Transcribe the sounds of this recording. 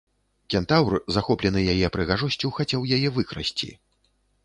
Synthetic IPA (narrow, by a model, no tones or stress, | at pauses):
kʲɛnt̪awrzaxɔplʲɛnɨjajɛpɾɨɣaʐɔsʲt͡sʲuxat͡sʲawjajɛvɨkɾa̰sʲt͡sʲḭ